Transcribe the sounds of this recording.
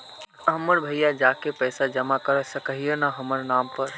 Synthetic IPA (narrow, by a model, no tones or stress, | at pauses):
əɦməɾbʱəjad͡ʒaːkepɛːsad͡ʒəmakəɾəsəkəɦijənaɦəməɾnaːmpəɾ